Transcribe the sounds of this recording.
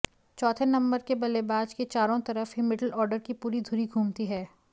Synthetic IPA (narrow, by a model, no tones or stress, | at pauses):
t͡ʃɔːt̪ʰenɐ̃mbəɾkebɐlebaːd͡ʒket͡ʃaːɾõt̪ɐɾəfɦɪmɪʈəlɔːɾɖəɾkipuːɾid̪ʱuːɾiɡʱuːmt̪iɦɛː